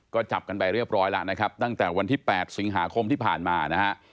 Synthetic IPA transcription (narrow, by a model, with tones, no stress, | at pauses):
kɔː˥˩t͡ɕa˨˩p̚ka˧npa˧jɾɯ˥˩əp̚ɾɔː˦˥jla˦˥ʔna˦˥kʰa˦˥p̚t̪a˥˩ŋt̪ɛː˨˩wa˧nt̪ʰiː˥˩pɛː˨˩t̪̚si˨˩˦ŋɦaː˩˦kʰo˧mt̪ʰiː˥˩pʰaː˨˩nmaː˧na˦˥kʰa˦˥ʔ